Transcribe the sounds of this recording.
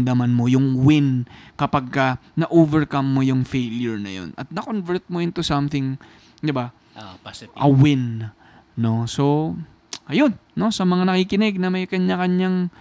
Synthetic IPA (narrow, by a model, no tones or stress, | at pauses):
d̪amɐnmo̞jʊŋwɪnkɐpaɡ̚kɐnɐʔoːvɛɹkamːojʊŋfejljʊɹnɐ̰jo̰nɐ̰t̪̚nɐkonvɛɹt̪̚moʔɪnt̪ʊsamθɪŋ | d̪ɪba | ʔʔɐwɪn | no̞so̞ | ʔɐjo̞nːo̞sɐmɐŋanɐkiːkɪnɛɡ̚nɐmɐjkɐɲːakɐɲjaŋ